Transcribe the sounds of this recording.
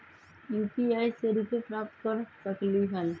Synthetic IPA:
juːpiaiseɾikepɾaːp̚t̪kəɾsəkliɦəl

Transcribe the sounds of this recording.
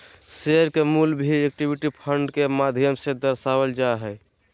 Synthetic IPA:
seɾkemulbʱiek̚ʈibiʈipʰəɳɖkemad̪ʱjəmsẽd̪əɾsabəld͡ʒaɦɛ

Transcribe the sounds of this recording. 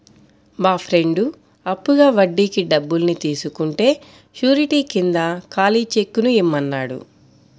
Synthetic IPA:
maːpʰɾe̞ɳɖu | ɐpːuɡaːʋɐɖːiːkiɖɐbːulnit̪iːsukuɳʈe̞ː | t͡ʃuːɾiʈiːkind̪ɐkaːliːt͡ʃe̞kːunuimːɐnːaːɽṵ

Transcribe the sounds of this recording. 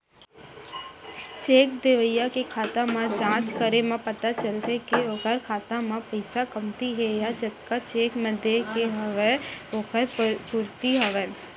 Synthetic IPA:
t͡ʃeːk̚d̪eʋəjːakekʰaːt̪amãd͡ʒãːt͡ʃkəɾemãpɐt̪at͡ʃəlt̪ekeoːkəɾkʰaːt̪ãmãpəɪsakəmt̪iɦɛjad͡ʒɐt̪kat͡ʃeːkmə̃d̪ekeɦɐʋeoːkəɾpʊɾt̪iɦɐʋɛ

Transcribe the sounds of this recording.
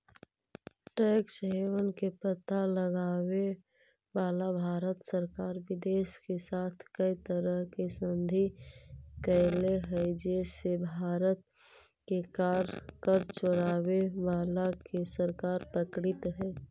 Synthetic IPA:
ʈɛːksɦeʋənkepət̪aləɡaːwe | ʋaːlabʱaːɾət̪səɾkaːɾʋɪd̪eːʃkesaːt̪ʰkəit̪əɾəɦkesə̃nd̪ʱi | kɛleɦɛd͡ʒeːsebʱaːɾət̪ | kekaːɾkəɾt͡ʃoɽaːweʋaːlakesəɾkaːɾpɾəkɽɪt̪ɦɛː

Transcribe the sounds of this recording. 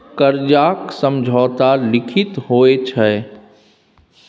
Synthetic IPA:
kəɾd͡ʒaːksə̃md͡ʒʱɔːt̪alɪkʰɪt̪ɦoːet͡ʃʰəɛ

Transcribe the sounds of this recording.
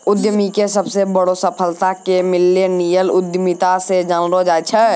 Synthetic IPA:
ʊd̪jəmikesəbsebəɽosəpʰəlt̪akemɪlːenijəlʊd̪jəmit̪ased͡ʒənɾod͡ʒaːet͡ʃʰɛ

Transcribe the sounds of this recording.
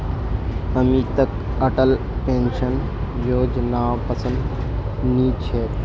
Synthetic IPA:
əmiːt̪ək | əʈəl | pẽnʃən | joːd͡ʒnaːpəsə̃nd̪nĩːt͡ʃʰeːt̪

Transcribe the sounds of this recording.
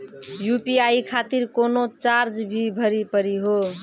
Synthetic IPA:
jupiaikʰat̪iɾkonot͡ʃaɾd͡ʒbʱibʱəɾipəɾiɦo

